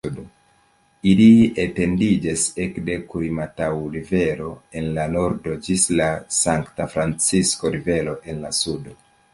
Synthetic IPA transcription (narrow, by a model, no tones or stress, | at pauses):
do | iliete̞ndid͡ʒasekde̞kuɾimatawɾive̞ɾo̞e̞nlano̞ɾdo̞d͡ʒislasaŋktafɾant͡sisko̞ɾive̞lo̞ʔe̞nlasudo